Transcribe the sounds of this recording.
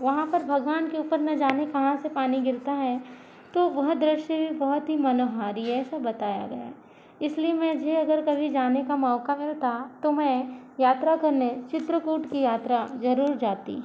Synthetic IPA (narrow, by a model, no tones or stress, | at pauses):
ʋɐɦãpɐɾbʱɐɡʋaːnkeuːpəɾnɐd͡ʒaːnekɐɦãsepaːniɡɪɾt̪aɦɛ̃ | t̪oʋɐɦd̪ɾɪʃjəbʱibɐɦɔt̪ɦimɐnoːɦaːɾiɛːsabɐt̪aːja̰ɡɐ̰ja̰ | ɪsliemɛ̃d͡ʒʱeɐɡəɾkɐbʱid͡ʒaːnekamɔːkamɪlt̪at̪omɛ̃jaːt̪ɾakɐɾnet͡ʃɪt̪ɾəkuːʈkijaːt̪ɾazɐɾuːɾd͡ʒaːt̪ḭ